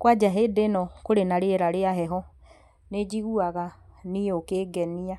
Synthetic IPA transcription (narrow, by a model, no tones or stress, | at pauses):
kwad͡ʒaɦedenɔkoɾenaɾeɾaɾeaɦɛɦɔ | ned͡ʒiɣuaɣaniokeɡɛnia